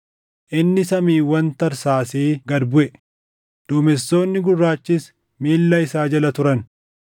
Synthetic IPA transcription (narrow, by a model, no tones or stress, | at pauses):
ʔɪnːɪsɐmiːwɐnt̪ɐɾsaːseːɡɐd̪bʊʔɛ | d̪̥ʊːmɛsːo̞ːnːɪɡʊrːaːt͡ʃːɪs | miːlːɐɪsaːd͡ʒɐlɐt̪ʊɾɐn